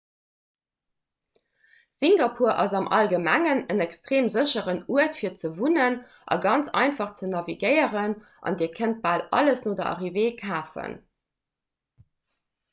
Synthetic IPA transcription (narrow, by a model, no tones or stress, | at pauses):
siŋɡɑpʰuːɐʔɑzɑmʔɑ̰lɡəmæŋənənækstʁeːmzəɕəʁənuətfiːɐt͡səvunən | ʔɑ̰ɡɑnt͡sɑ̰ɪnfɑχt͡sənɑviɡəɪəʁən | ʔɑ̰ndiːɐkʰənt̚b̥aːlɑ̰ləsnoːdɐʔɑ̰ʁiveːkʰaːfə̰n